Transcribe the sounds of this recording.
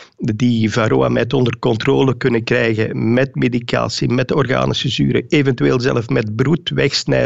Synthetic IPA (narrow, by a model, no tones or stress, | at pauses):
divaɾoːa̰mɛtɔndərkɔnt̪roːləkɵnəkrɛjɣə̰mɛtmedika̰ːsimɛtɔrɣa̰ːnəsəzyːɾə̰eːvɛntyeːlˠzɛləfmɛd̚brutʋɛxsnɛ̰